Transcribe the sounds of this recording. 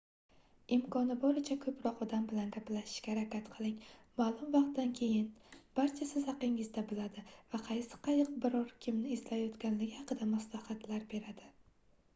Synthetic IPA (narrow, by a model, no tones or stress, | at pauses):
ɪmkʰɒnɪbɒɾɪt͡ʃʰakʰɵpɾɒqɒd̪ambɪlanɡʲaplaʃɪ̥ʃkʲaɾakʲat̪qʰɨlˠɪŋmaːlˠʊmvɑq̚t̪d̪ankʲʰe̞jɪnb̥aɾt͡ʃʰasɪzhɑqɪŋɪzd̪abɪlad̪ɪvaqʰɑjsɪ̥qʰɑjɨq̚bɪɾɒɾkʲʰɪmnɪːzlajɒt̪kʲanlɪɡʲɪhɑqɨd̪amaslˠahat̪laɾbe̞ɾad̪̥ɪ